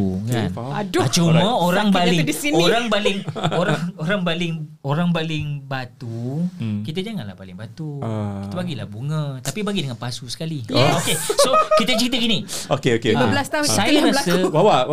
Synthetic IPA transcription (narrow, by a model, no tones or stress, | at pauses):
ka̰nnadʊt͡ʃuməoɾaŋbalɪŋdisinoɾaŋbalɪŋoɾaŋoɾaŋbalɪŋ | oɾaŋbalɪŋbat̪ukit̪əd͡ʒaŋanla̰hbalɪ̰ŋbat̪ukit̪əbaɡila̰buŋət̪apibaɡidəŋanpasusə̥kaliokesokit̪ət͡ʃɾit̪̬əkiniokeokeəblasausajaablasəbawa